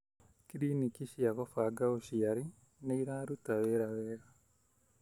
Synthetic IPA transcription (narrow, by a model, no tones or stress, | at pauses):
kiɾiːnikiʃjakɔfaɡaoʃiaɾi | neiɾaːɾutaweːɾawɛːɾa